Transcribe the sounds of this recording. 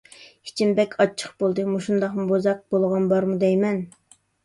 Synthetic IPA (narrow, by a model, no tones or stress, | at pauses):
i̥t͡ʃʰimbɛkʲʰɑt͡ʃʰːə̥χb̥olˠd̪ɨmuʃund̪ɑqmubozɑq̚bolˠʁɑnbɑɾmud̪ɛjmɛn